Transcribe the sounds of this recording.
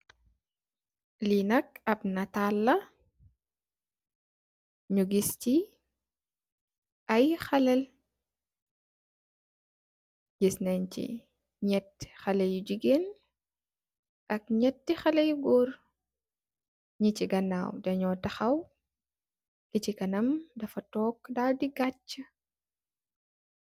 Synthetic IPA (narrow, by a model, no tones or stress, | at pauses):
linɐk̚ɐp̚nɐtalːɐ | ɲuɡisci | ʔɐjxɐlɛl | ɟisnɛnt͡ʃḭ | ɲɛtːxɐlɐjuɟiɡen | ʔɐkɲɛt̚ːixɐlɐjuɡɔːr | ɲiciɡɐna̰ːwdɐɲɔːtɐxɐw | kicikɐnɐmdɐfɐtɔːk̚ːdawdiɡat͡ʃːə